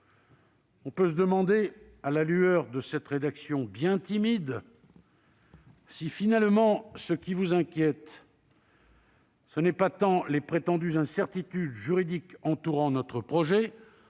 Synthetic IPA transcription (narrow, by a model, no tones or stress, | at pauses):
ɔ̃pøs̬əd̪əmɑ̃d̪e | alalyœʁd̪əsɛt̪ʁed̪aksjɔ̃bjɛ̃t̪imid̪ | sifinalmɑ̃səkʲivuzɛ̃kʲjɛt̪ | sənɛpat̪ɑ̃lepχet̪ɑ̃d̪yzɛ̃sɛʁt̪it̪yd̪ʒyʁid̪ikɑ̃t̪uʁɑ̃nɔt̪χəpχɔʒɛ